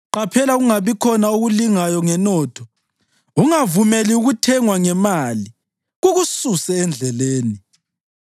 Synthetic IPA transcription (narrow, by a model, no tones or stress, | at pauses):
ǃapʰɛlaɣuŋaβikʰɔnaoɣuliŋajɔŋɛnɔːtʰɔ | uŋavumeliuɣutʰɛŋwaŋɛmali | ɣuɣususɛɛnd͡ɮʱɛleːni